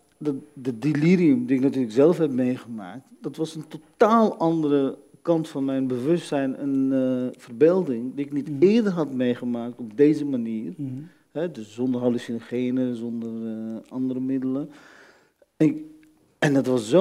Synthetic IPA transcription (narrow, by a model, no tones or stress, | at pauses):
ddədiliɾiumdiɪknatyːləkzɛləfhɛpmeːχəma̰ːk̚td̥ɔtʋɑsəntotaːlˠʔɑndərə | kɑntfɔnmɛjnbəʋøstɛjnə̰nfərbeːlˠdɪŋdiɪknitɪərdərɦɑtmeːχəmaːk̚tɔbdeːzəmaniːr | hɛdøszɔndərɦalisinoχeːnəzɔndərɑndəɾəmɪdələ | ɛndɔtʋɔszo